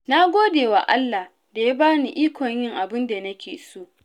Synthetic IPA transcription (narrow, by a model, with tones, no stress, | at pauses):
na˦ɡʷoː˦deː˨wa˨ʔa˦lːa˨ | da˨ja˦baː˦ni˨ʔiː˦kʷɔ˨ɲjɪ˦ŋʔa˨bɪ˦nda˨nɐ˦kʲeː˨soː˦˨ʔ